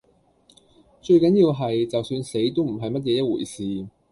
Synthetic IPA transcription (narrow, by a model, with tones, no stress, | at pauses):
t͡ʃɵ˧ɥkɐ˨˥njiː˧wɦɐ˨jt͡sɐ˨wsyː˧nse˨˥jt̪o˥wm̩˨˩ɦɐ˨jmɐ˥t̚jɛː˨˧jɐ˥t̚wṵː˨˩jsiː˨